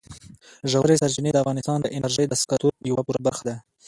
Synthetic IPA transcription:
ʒawɾesaɾt͡ʃɪned̪əafɣɑnɪst̪ɑnd̪əʔɪnaɾʒəjd̪əskɑt̪uɾjawapuɾabaɾxad̪a

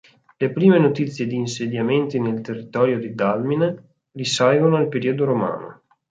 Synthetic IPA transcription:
lepɾiːmenot̪it̪sːjed̪iːnsed̪jament̪inelt̪erːit̪ɔːɾjod̪id̪almin | risajɡonoalpeɾiod̪oɾoma̰ːno̰

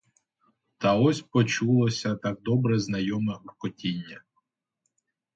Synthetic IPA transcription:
t̪ɐɔsʲpɔt͡ʃulˠɔsʲɐt̪aɡ̚d̪ɔbɾɛznɐjɔmɛukɔtʲinʲːɐ

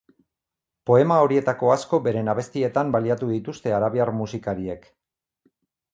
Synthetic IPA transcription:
po̞e̞mao̞ɾie̞t̪ako̞asko̞be̞ɾe̞naβe̞st̪ie̞t̪ambaliat̪uðit̪ust̪e̞aɾaβiaɾmusikaɾie̞k

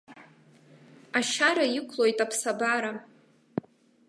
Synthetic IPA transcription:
aʃaɾajɪkʷʰlojtʼapʰsabaɾa

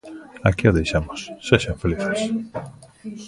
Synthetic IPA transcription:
a̰kioðejʃamosːeʃãɱfeliθes

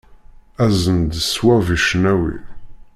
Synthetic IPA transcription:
æzənd̪swæviʃənæwḭ

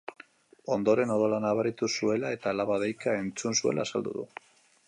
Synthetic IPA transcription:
o̞nd̪o̞ɾe̞noð̞olanaβaɾit̪usue̞lae̞t̪aːlaβaðejkae̞nt͡sunsue̞̰lʔa̰ːsald̪ṵðṵ

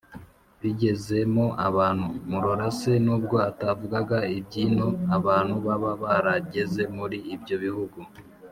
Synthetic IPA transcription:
βiɟe̞ze̞mo̞ʔaβaːn̥humuɾoɾase̞nuːb̚ɡo̞atavuɡaɡaib̚ɟiːno̞aβaːn̥huβaβaβaɾaɟe̞ze̞muɾiːbɟo̞βihuɡu

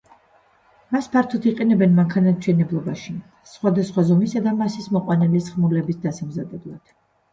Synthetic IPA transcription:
maspʰaɾt̪ʰɔt̪ʰiqʼɛnɛbɛnmaŋkʰanat̪ʃʰɛnɛblˠɔbaʃi | sχwad̪asχwazɔmisad̪amasismɔqʼwanɛlisχmulɛbisd̪asamzad̪ɛblˠad̪̥

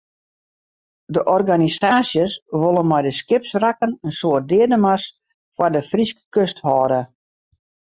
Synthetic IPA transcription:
dəʔɔrɡanisaːsjəsʋolˠənmɛjdəskɪpsrakənənsoət̚dɪədəmas | fwardəfriskə̥køsthɔːɾə

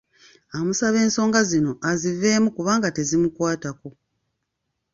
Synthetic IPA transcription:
amusaβe̞ːnso̞ːŋɡazino̞ʔazive̞ːmukuβaːŋɡate̞zimukwaːtako̞

